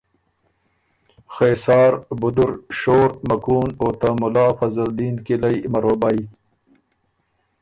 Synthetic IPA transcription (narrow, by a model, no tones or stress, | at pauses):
xeːsɑːɾbud̪uɾʃoːɾmɐkuːnoːt̪amʊlaːfɐzɐld̪iːnkilajmɐɾoːbaj